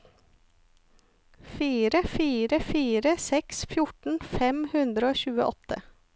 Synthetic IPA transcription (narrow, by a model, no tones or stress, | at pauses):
fiːɾəfiːɾəfiːɾəsɛksfjʊʈɳ̩fɛmhʉnd̪ɾəoːçʉːə̰ʔɔ̰t̪ə